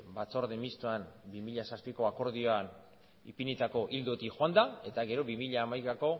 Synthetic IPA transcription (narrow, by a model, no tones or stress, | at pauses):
bat͡so̞ɾðemist̪uanbimiʎasaspiko̞ako̞ɾð̞io̞an | ipinit̪ako̞ʔild̪ot̪ixoand̪ae̞t̪aɣe̞ɾo̞βimiʎaːmajkako̞